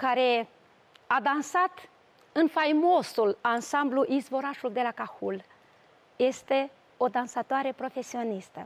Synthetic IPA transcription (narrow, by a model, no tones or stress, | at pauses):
kaɾe̞ | ad̪ansat̪ | ɨnfajmo̞sulansambluʔizvo̞ɾaʃuld̪e̞lakahul | je̞st̪e̞ | o̞d̪ansat̪oaɾe̞pɾo̞fe̞sio̞nist̪ə̰